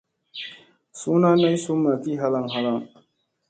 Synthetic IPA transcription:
suː˦na˦na˦jsu˦mːa˨ki˦ɦa˦la˦˨ŋɦa˦la˦˨ŋ

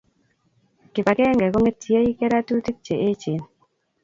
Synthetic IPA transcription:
kɪ˨pa˨kɛ˦ŋɡɛ˨ko˦ŋe˦tʰi˨e˦i˦kɛ˦ɾa˦tu˦ti˦k̚t͡ʃe˨ʔe˦t͡ʃi˨n

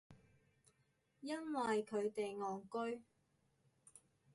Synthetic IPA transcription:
jɐ˥nwɐ˨jkʰɵ˨˧ɥt̪e˨jŋɔː˨ŋkɵ˥ɥ

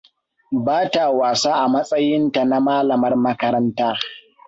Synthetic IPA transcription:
baː˦ta˨waː˨saː˦ʔa˨mɐ˦sʼɐ˦jɪ˦nta˨na˦maː˦lɐ˨mɐ˦rmɐ˦kɐ˦ɾɐ˦ntaː˦

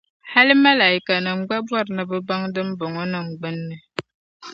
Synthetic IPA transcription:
ha˦li˦ma˦la˨i˨ka˨nə˨ŋ͡m̩˦ɡ͡ba˦bwa˦˨ɾnə˨bə˦ba˦ŋdə˦m̩˦bɔ˨ŋɔ˦nə˨ŋ̩˨ɡ͡bə˦nːə˦

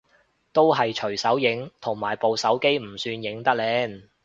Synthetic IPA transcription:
t̪o˥wɦɐ˨jt͡ʃʰɵ˨˩ɥsɐ˨˥wjɪ˨˥ŋt̪ʰʊ˨˩ŋmaː˨˩jpo˨wsɐ˨˥wke˥jm̩˨˩syː˧njɪ˨˥ŋt̪ɐ˥k̚lɛː˨˥n

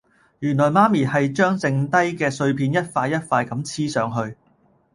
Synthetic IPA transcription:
jyː˨˩nlɔː˨˩jmaː˥miː˨˩hɐ˨jt͡ʃœː˥ŋt͡sɪ˧ŋt̪ɐ˥jkɛː˧sɵ˧ɥpʰiː˧njɐ˥t̚faː˧jɐ˥t̚faː˧jkɐ˨˥mt͡sʰiː˥sœː˨˥ŋɦɵ˧ɥ

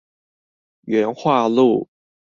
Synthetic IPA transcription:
ɥɛ˧˥nxwa˥˧lu˥˩

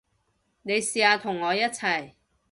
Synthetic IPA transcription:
ne˨˧jsiː˧aː˨˧t̪ʰʊ˨˩ŋːɔː˨˧jɐ˥t̚t͡sʰɐ˨˩j

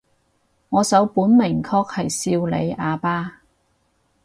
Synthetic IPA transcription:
ŋɔː˨˧sɐ˨˥wpuː˨˥nmɪ˨˩ŋkʰɔː˧k̚hɐ˨jsiː˧wlḛ˨˧jaː˨˧paː˥

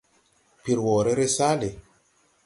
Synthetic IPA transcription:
pi˨ɾwɔ˨ɾe˦ɾe˦sa˦le˨

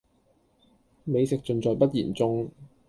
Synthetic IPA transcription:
me˨˧jsɪ˨k̚t͡sɵ˧nt͡sɔː˨jpɐ˥t̚jiː˨˩nt͡sʊ˥ŋ

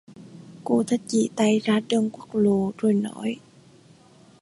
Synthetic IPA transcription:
ko̰˧˥t̪ʰə˨˩t̚t͡ɕḭ˧˨t̪a˧jzaː˧ɗəː˧ŋkwu˦˥k̚lo˨˩zo˨˩jnɔ˧˨˦j

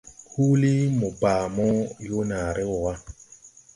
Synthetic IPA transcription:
hu˦li˦mɔ˨baː˨mɔ˦jo˦naː˨ɾɛ˦wɔ˨wa˦

